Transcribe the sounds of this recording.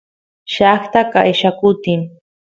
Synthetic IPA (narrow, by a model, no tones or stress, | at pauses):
ʃaχt̪aka̰eʃakʊt̪ɪm